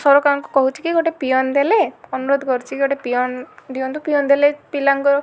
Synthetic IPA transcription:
sɔɾɔkaŋkukɔɦut͡ʃʰi̥kiɡoʈepijɔnd̪eleɔnuɾod̪ʱɔkɔɾt͡ʃʰikiɡoʈepijɔnd̪iɔnt̪upiɔnd̪elepilaŋkɔɾɔ

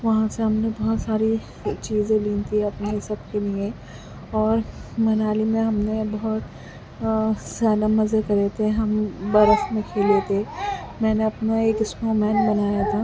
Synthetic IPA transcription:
ʋɐɦãseɦɐmnebɐɦʊt̪saːɾi | t͡ʃiːzẽlit̪ʰiɐpnesɐbkeliẽ | ɔːɾmɐnaːlimẽɦɐmnebɐɦʊt̪ | zjaːd̪amɐzekɐɾet̪ʰeɦɐmbɐɾəxmẽkʰeːlet̪ʰemɛ̃ːneɐpnaeːkɪsmomɛːnbɐnaːjat̪ʰaː

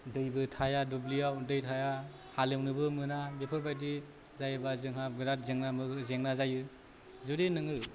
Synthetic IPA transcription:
dɯjbɯtʰajadublijawdɯjtʰaja | halemnɯbɯmɯnabepʰɯbajdi | zajɯbazɯŋɦaɡɯɾat̚zeŋnamɯkzeŋnazajɯ | zudenɯŋɯ

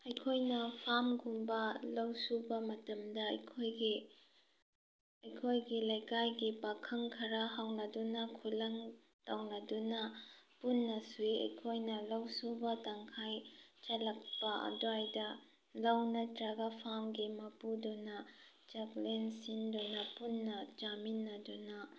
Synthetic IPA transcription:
ɐjkʰojnɐpʰamɡumbɐlɐwsubɐmɐtɐmdɐɐjkʰojɡi | ɐjkʰojɡilɐjkajɡipakʰɐŋkʰɐɾɐɦawnɐdunɐkʰulɐŋ | tawnɐdunɐpunːɐsuiɐ̰jkʰojnɐlawsubɐtaŋkʰajt͡ʃɐlɐk̚pɐɐ̰duajdɐ | lawnɐtɾaɡapʰamɡimɐpudɔnɐ | d͡ʒaklensindɔnɐpunːɐd͡ʒaminːɐdunɐ

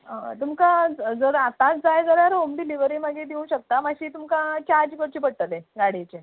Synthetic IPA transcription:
ə̰t̪umkad͡zəɾat̪ãt͡sd͡zajd͡zəɾjaɾomɖiliʋɾiːməɡed̪eũɕək̚t̪amaɕiːt̪umkat͡ɕaɾd͡ʑkəɾt͡ɕiːpəɽʈəleɡaɽit͡ɕe

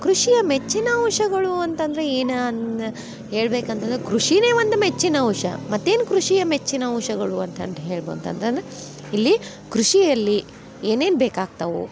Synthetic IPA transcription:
kɾuʂijɐmet͡ʃːinɐwʂɐɡɐɭuɐnt̪ɐnd̪ɐɾeeːnn | ɦeːɭbeːkɐnt̪ɐnd̪ɾekɾuʂine̞ːʋɐnd̪umet͡ʃːinɐuʂɐ̰mɐt̪ːe̞ːnkɾuʂijɐmet͡ʃːinɐuʂɐɡɐɭuɐnt̪ɐ̰nd̪ɦe̞ːɭbo̰ːd̪t̪ɐ̰nt̪ɐnd̪ɾe | ilːi | kɾuʂiɐlːi | e̞ːneːnbeːkaːɡ̚t̪ɐʋṵ

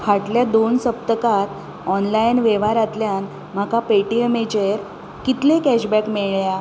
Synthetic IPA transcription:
kʰaʈljad̪onsəp̚t̪əkat̪ | ɔnlajnʋeʋaɾat̪ljan | m̤akapeʈiemet͡ɕeɾ | kit̪lẽkæɕbækmeɭja

